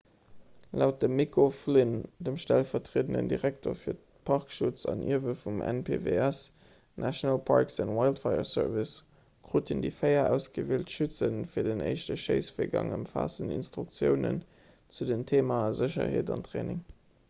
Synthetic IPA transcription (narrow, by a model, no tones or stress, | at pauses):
læʊt̚dəmːikʰoflindəmʃtælfɐtʁeːdənə̰ndiʁæk̚tʰoːɐfiːɐ | pʰɑʁkʃut͡sɑnʔḭɐvəfumɛ̰npʰeːveæs | nʔæʃonɑlpʰɑɹksɑnwaɪltfɑɪə̰sɜ̰ʁvis | kʁoːtʰindifəɪɐʔæʊsɡ̥əveːltʃʉt͡sənfiːɐdənə̰ɪʃtəʃəɪsfiːɐɡɑ̰ŋəmfa̰ːsənḭnstʁ̥uk̚t͡sjəʊnə̰n | t͡sudəntʰeːmazəɕɐ̰heːtɑ̰ntʁeːnɪŋ